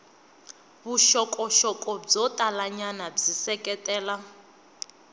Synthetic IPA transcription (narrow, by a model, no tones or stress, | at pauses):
βuʃɔkʼɔʃɔkʼɔb͡ʐɔtʼalaɲanad͡zisɛkʼɛtʼɛːla